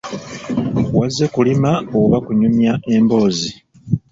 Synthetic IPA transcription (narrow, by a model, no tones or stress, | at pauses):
wazːekulimaoβakuɲumjaʔe̞mbo̞ːzi